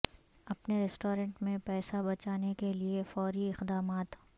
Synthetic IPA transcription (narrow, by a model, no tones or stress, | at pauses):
ɐpneɾɛsʈoːɾə̃ɳʈmẽpɛːsabɐt͡ʃaːnekeliefɔːɾiɪqd̪aːmaːt̪